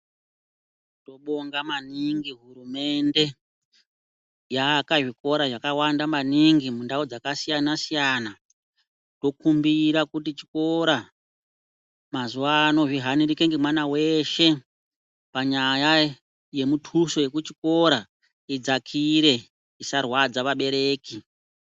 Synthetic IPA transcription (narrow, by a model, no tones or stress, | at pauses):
to̞ɓo̞ŋɡamaniŋɡiɦuɾume̞nde̞ | jakaʐiko̞ɾaʐakawandamaniŋɡimundaud͡zakasijanasijana | to̞kumbiɾakutit͡ʃi̥ko̞ɾa | mazuaːno̞ʐiɦaniɾikeŋɡemwanawe̞ʃe̞ | paɲaja | je̞mutʰuso̞je̞kut͡ʃiko̞ɾa | id͡zakʰiɾe̞ | isarwad͡zaʋaɓe̞ɾe̞ːki